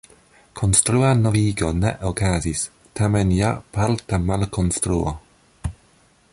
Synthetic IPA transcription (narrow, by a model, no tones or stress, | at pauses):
kʰɔnstɾuːanɔviːɡɔnɛ̰ʔɔkʰaːzis | tʰamɛnjapʰaltʰamalkʰɔnstɾuːɔ